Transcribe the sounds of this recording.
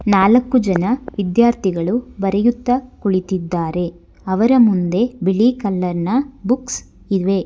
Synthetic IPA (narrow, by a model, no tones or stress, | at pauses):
naːlɐkːud͡ʒɐnɐʋid̪jaːɾt̪ʰiɡɐɭubɐɾejut̪ːɐkuɭit̪id̪ːaːɾe̞ | ɐʋɐɾɐmund̪e̞biɭikɐlːɐɾnɐbuks | iʋe̞